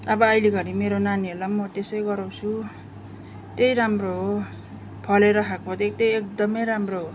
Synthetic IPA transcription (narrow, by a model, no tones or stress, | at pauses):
ʌbʌːjleɡʌɾimeɾonaniɦeɾlamʌt̪esʌjɡʌɾaw̃t͡sʰu | t̪ejɾamroɦo | pʰʌleɾʌɦʰakpʌt̪ek̚t̪ejek̚d̪ʌmʌjɾamroɦo